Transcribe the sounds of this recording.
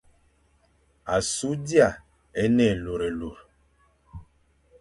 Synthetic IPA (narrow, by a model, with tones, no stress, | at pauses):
a˨su˨˦di˦a˨ | ɛ˦nɛ˦˨lo˨ɾɛ˨lo˨ɾ